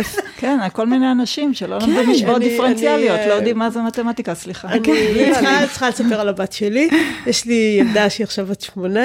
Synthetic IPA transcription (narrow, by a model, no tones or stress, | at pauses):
kenalko̞lminejanaʃimʃelolamdimiʃbootd̪ifeʁent͡sialio̞tlojod̪imːazemat̪emat̪ikasliχaankat͡sχalesapeʁalabatʃelijeʃlijamd̪aʃiaχʃavat͡ʃmona